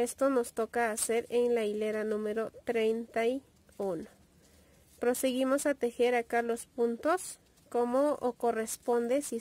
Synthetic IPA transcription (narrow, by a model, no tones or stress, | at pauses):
est̪onost̪okaːseɾeŋlaileɾanũmeɾot̪ɾejnt̪aji | uno | pɾoseɣimosat̪exeɾakalospunt̪os | komookorespond̪esi